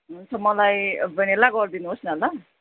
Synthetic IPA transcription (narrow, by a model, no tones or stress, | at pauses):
ɦunt͡sʰʌmʌlajbʌnelaɡʌrd̪inuɦosniɦʌla